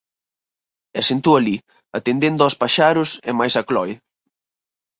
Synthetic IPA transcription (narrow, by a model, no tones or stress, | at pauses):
ɛsent̪uɐli | ɐt̪end̪end̪ɔspaʃaɾʊsɛmajsɐklɔj